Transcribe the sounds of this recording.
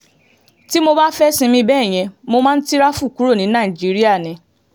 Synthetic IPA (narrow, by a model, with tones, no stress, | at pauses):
ti˦mo˧ba˦fɛ˦sĩ˧mĩ˧bɛ˦˨j̃ɛ̃˧mo˧mãː˦n̩˦ti˦ɾa˦fu˦˨ku˨˦ɾo˦˨nĩ˨˦nãː˦˨d͡ʒi˨˦ɾi˦a˦˨nĩ˨˧